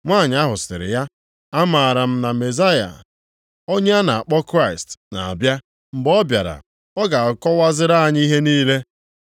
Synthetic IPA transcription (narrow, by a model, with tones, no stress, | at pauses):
ŋʷaː˦˨ɲ˦a˦ɦʊ˨sɪ̰˨ɾɪ̰˨ja˦ | a˦ma˨ɾa˨m̩˦na˨me˨za˦ja̰˨ | o˦ɲe˦a˦na˨a˨k͡pɔ˦kɾa˦ɪ˨stna̰˨a̰˨bja˦ | m̩˨bɔ˦bja̰˨ɾa̰˨ | ɔ˦ɡa˨kɔ˦wa˦zɪ˦ɾa˦a˨ɲ˦i˦ɦe˦niː˦le˦